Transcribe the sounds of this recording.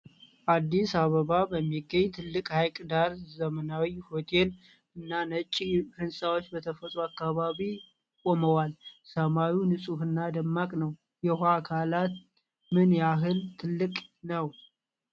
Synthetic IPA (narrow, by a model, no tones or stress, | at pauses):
ʔad̪ːisaβəβabəmːiɡəɲːt̪ʰɨlːɨkʼhajkʼd̪aɾzəmənawiho̞t̪ʰe̞l | ɨnːanət͡ʃʼːihɨnsʼawot͡ʃːbət̪ʰəfət̪ʼɾuakːaβaβi | kʼoməwalsəmawunɨsʼuhɨnːad̪əmːakʼnəw | jɛhakʰalat̪ | mɨnjaɦɨlt̪ʰːɨlːɨkʼnəw